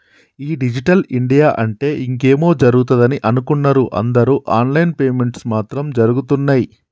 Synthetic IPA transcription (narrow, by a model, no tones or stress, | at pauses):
iːɖid͡ʒiʈɐliɳɖijaːʔɐɳʈe̞ːʔiŋke̞ːmo̞ːd͡ʒɐɾuɡut̪ɐd̪ɐniʔɐnukunːɐɾuʔɐ̰nd̪ɐɾuːʔaːnlɐjnpeːme̞ɳʈsmaːt̪ɾɐmd͡ʒɐɾuɡut̪unːaːji